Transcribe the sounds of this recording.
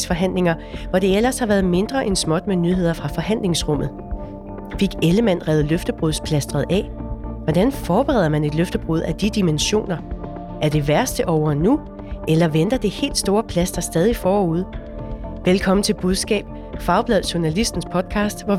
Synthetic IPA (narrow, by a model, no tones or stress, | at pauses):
sfɒ̽ɦæn̰le̝ŋɐʋɒd̥e̝el̰ɐshɑ̈ʋæːɐðˠme̝nd̥ʁɐʔensmɒ̽d̥̚menyɦe̝ð̰ˠɐfʁɑ̈fɒ̽hæn̰le̝ŋsʁɔ̽mð̩ˠ | fe̝ɡ̥eləmæn̰ʁɛːʊð̞̩ˠløfd̥əb̥ʁuðˠspʰlæsd̥ʁɐð̩ˠʔɛ̰ːʋɒd̥ænfɒːb̥eʁɛ̰ð̰ˠɐmæne̝d̥løfd̥əb̥ʁuð̞̰ˠæd̥id̥imenɕo̝̰ːnɐ | ʔæɐd̥e̝ʋæɐsd̥əʔɒʊɐnu | elɐʋend̥ɐd̥e̝he̝̰ːld̥sd̥o̝ːɐpʰlæsd̥ɐsd̥ɛːð̞ˠifɒːuð̞ˠ | ʋelkʰɒ̽m̰n̩t͡sʰe̝lb̥uð̞ˠsɡ̥ɛ̰ːb̥̚ | fɑ̈ʊb̥lɛð̰ˠɕunælisd̥n̩spʰɒ̽d̥̚kʰɑ̈ːsd̥ʋɒ